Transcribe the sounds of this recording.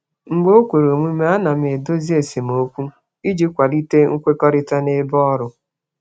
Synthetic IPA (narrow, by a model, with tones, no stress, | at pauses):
ŋ̩˨ɡ͡bo˦kʷe˨ɾo˨mʷi˦me˦a˦na˨m˦e˨do˦zi˦e˨se˨m˨o˦kʷu˦ | i˦d͡ʒi˦kʷa˨li˦te˦ŋ̩˦kʷe˦kɔ˦ɾɪ˦ta˦ne˦bɔ˦ɾʊ˨